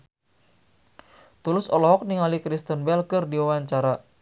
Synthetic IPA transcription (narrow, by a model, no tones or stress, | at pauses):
t̪ulʊsɔlɔɦɔk̚niŋalikɾist̪ənbɛlkɨrdiwawaɲt͡ʃaɾa